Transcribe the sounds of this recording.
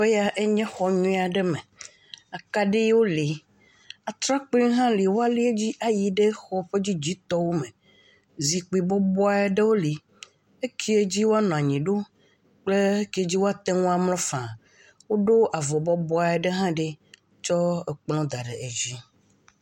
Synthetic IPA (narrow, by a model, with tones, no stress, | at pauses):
ɸe˦ja˨ʔe˦ɲɛ̃˦xɔ˨ɲũ˦a˨ɖe˦mẽ˨ | a˨ka˦ɖe˦jwo˦li˨ | a˨t̪ɾa˦k͡pĩ˦ɦã˦li˨wo˦a˦li˦e˦d͡ʑi˦ʔa˨ji˨ɖe˦xɔ˦ɸe˦d͡ʑi˦d͡ʑi˦t̪ɔ˦wo˦mẽ˨ | zi˨k͡pi˨bɔ˦bɔ˦a˦e˦ɖe˦wo˦li˨ | e˦kʰi˦e˦d͡ʑi˦wo˦a˦nɔ̃˨a˨ɲĩ˨ɖo˦ | k͡ple˦e˦ki˨˦e˦d͡ʑi˦wo˦a˦t̪e˦ŋũ˦a˨mlɔ̃˦fã˨ | wo˦ɖo˦ʔa˨vɔ˨bɔ˦bɔ˦a˨e˨ɖe˦ɦã˦ɖe˦ | t͡ʃɔ˦e˨k͡plɔ̃˦d̪a˨ɖe˨ʔe˨d͡ʑi˦